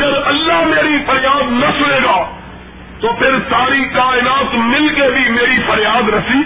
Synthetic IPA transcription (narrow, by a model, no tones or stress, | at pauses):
əɾɐlːaːɦmeːɾiːpʰəɾjaːd̪nəsʊɽeːɡaː | t̪oːpʰɪɾsaːɾiːkaːɪnaːt̪mɪlkebʱiːmeːɾiːpʰəɾjaːd̪ɾɐsiː